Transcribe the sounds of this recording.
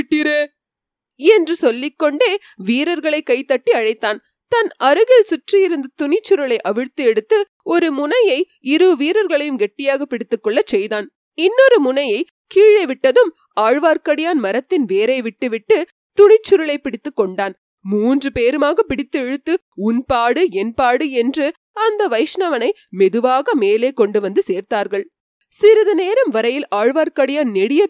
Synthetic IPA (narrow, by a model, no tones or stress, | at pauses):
ɪʈːɪɾeː | ɛndrɯsɔlːɪkːɔɳɖeː | ʋiːɾɐɾɣɐɭɐɪkːɐɪt̪ːɐʈːiɐɻɐɪt̪ːaːn | t̪ɐnɐɾɯɣɪlsʊʈrijɪɾɯnd̪ɯt̪ʊɳɪt͡ʃːʊɾɐɭɐɪʔɐʋɪɻt̪ːɯɛɽɯt̪ːɯ | ɔɾɯmʊnɐjɐɪ | ɪɾɯʋiːɾɐɾɣɐɭɐjɯmɡɛʈːɪjaːɣɐpːɪɽɪt̪ːɯkːɔɭːɐt͡ʃːɛjðaːn | ɪnːɔɾɯmʊnɐjɐɪ | kiːɻɐɪʋɪʈːɐðɯm | aːɻʋaːɾkɐɽɪjaːnmɐɾɐt̪ːɪnʋeːɾɐɪʋɪʈːɯʋɪʈːɯ | t̪ʊɳɪt͡ʃːʊɾɐɭɐɪpːɪɽɪt̪ːɯkːɔɳɖaːn | muːndrɯpeːɾɯmaːɣɐpːɪɽɪt̪ːɯɛɻɯt̪ːɯ | ʊnpaːɽɯɛnpaːɽɯɛndrɯ | ɐnd̪ɐʋɐɪʂnɐʋɐnɐɪmɛðɯʋaːɣɐmeːleːkɔɳɖɯʋɐnd̪ɯseːɾt̪aːɾɣɐɭ | sɪɾɯðɐneːɾɐmʋɐɾɐjɪlaːɻʋaːɾkɐɽɪjaːnnɛɽɪjɐ